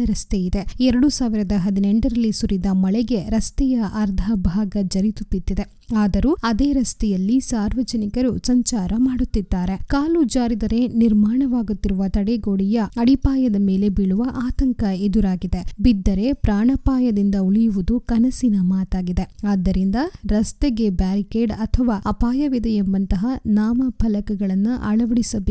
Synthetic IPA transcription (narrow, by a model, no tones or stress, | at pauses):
ɐɾɐst̪eid̪eɛɾɐɽusaːʋiɾɐd̪ɐɦɐd̪ineɳʈɐɾɐlːisuɾid̪ɐmɐɭɛɡe̞ɾɐst̪ɛjɐʔɐɾd̪ʱɐbʱaːɡɐd͡ʒɐɾit̪ut̪ːit̪ːid̪e | aːd̪ɐɾuɐd̪e̞ːɾɐst̪ɛjɐlːisaːɾʋɐd͡ʒɐnikɐɾusɐɲt͡ʃaːɾɐmaːɽut̪ːid̪ːaːɾe̞kaːlud͡ʒaːɾid̪ɐɾe̞niɾmaːɳɐʋaːɡut̪ːiɾuʋɐt̪ɐɽeɡoːɽijɐɐɽipaːjɐd̪ɐme̞ːle̞biɭuʋɐʔaːt̪ɐŋkɐed̪uɾaːɡid̪e̞bid̪ːɐɾe̞pɾaːɳɐpaːjɐd̪ind̪ɐuɭijuʋud̪ukɐnɐsinɐmaːt̪aːɡid̪e̞aːd̪ːɐɾind̪ɐɾɐst̪eɡebaːɾikeːɖɐt̪ʰɐʋaːɐpaːjɐʋid̪ɐembɐnt̪ɐɦɐnaːmɐbʰʱɐlɐkɐɡɐɭɐnːuʔɐ̰ɭɐʋɐɽisɐbe